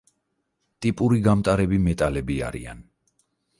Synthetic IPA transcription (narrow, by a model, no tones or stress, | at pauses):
t̪ʼipʼuɾiɡamt̪ʼaɾɛbimɛt̪ʼalɛbia̰ɾḭa̰n